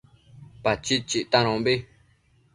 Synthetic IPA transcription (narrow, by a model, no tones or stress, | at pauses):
pat͡ʃit͡ʃiʔt̪ãɾõbi